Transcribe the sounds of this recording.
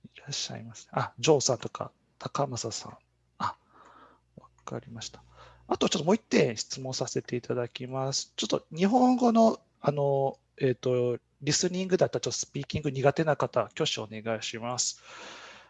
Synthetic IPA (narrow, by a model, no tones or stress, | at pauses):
iɾaɕːa̰ḭmasɨ̥neʔad͡ʑo̞ːsãnt̪o̞̥ka̰ | t̪ʰakamasasã̰ɴ̃ | a | βaka̰ɾʲimaɕi̥t̪ḁ | at̪oat͡ɕot̪ːmoit̪ːẽ̞ɰ̃ɕi̥t͡sɨmõ̞sase̞t̪e̞it̪ad̪akʲimasɨ̥t͡ɕo̞t̪ːoɲ̟iɦõ̞ŋɡo̞no̞ | ano̞ | eːt̪ːo̞ | ɾʲisɨɲʲĩŋɡɯ̟d̪at̪ːat͡ɕot̪ːosɨ̥pʲiːkʲĩŋɡɯ̟ɲ̟iɡat̪e̞nakat̪akʲo̞ɕio̞̰ne̞ɡaiɕimasɨ̥